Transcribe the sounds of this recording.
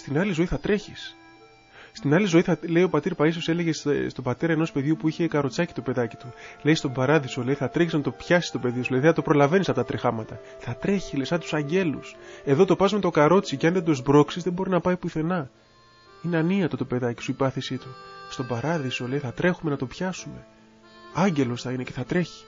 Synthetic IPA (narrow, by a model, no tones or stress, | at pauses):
st̪inɐlizo̞iθɐt̪ɾe̞çis | st̪inɐlizo̞iθɐle̞io̞pɐt̪iɾpɐisosele̞ʝesst̪o̞bɐt̪e̞ɾɐenospe̞ðʝupuiçe̞kɐɾo̞t͡sɐci̥t̪o̞pe̞ðɐci̥t̪ule̞jst̪obɐɾɐðiso̞leiθɐt̪ɾeçiznɐt̪o̞pçɐsi̥st̪o̞pe̞ðisulɐðiθɐt̪o̞pɾo̞lɐve̞nisɐft̪ɐt̪ɾixɐmɐt̪ɐ | θɐt̪ɾe̞çilesɐt̪u̥sɐɲɟe̞luse̞ðo̞t̪o̞pɐzumet̪o̞kɐɾo̞t͡siceɐnðe̞d̪ozbɾo̞ksizðe̞bo̞ɾinɐpɐipuθe̞nɐ | ineɐniɐt̪o̞t̪ope̞ðɐci̥suipɐθesit̪ust̪o̞bɐɾɐðiso̞le̞jθɐt̪ɾe̞xume̞nɐt̪o̞pçɐsume̞ | ɐɲɟe̞lo̞sθɐinece̞θɐt̪ɾe̞çi̥